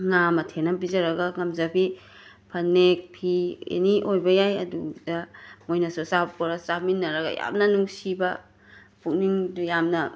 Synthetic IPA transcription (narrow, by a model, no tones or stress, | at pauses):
ŋamɐtʰenɐmbizɐɾɐɡɐŋɐmzabi | pʰɐnːek̚pʰiḛniʔojbɐjajɐdudɐmojnɐsusappoɾɐsaminːɐɾɐɡɐ̰ja̰mnɐnuŋsibɐ | pʰuk̚niŋjamnɐ